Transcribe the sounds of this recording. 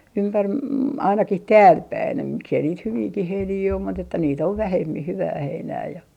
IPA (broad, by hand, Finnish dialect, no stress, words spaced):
ympær mɑ ɑinɑkih tæːlpæin jɑ miksei niːt hyʋiːkih heiniː om mut etːæ niːt oʋ ʋæhemːih hyʋæː heinæː jɑ